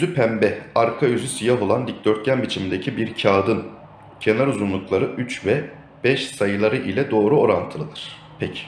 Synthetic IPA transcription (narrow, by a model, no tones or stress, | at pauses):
yzypʰæmbɛaɾkʰajyzysijaɦo̞lˠand̪ic̚d̪øɾt̪̚ɟʲænbit͡ʃʰimind̪ecʰibiɾcʰaːd̪ɯn | cʰe̞naɾuzunlˠuklˠaɾɯʔyt͡ʃvɛ | b̥ɛʃsajɯlˠaɾɯʔilʲɛd̪o̞ːɾuo̞ɾant̪ʰɯlˠɯd̪ɯɾ̥ | pʰɛcʰi̥